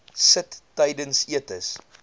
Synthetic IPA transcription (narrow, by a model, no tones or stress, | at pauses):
sətːəjdənsiətəs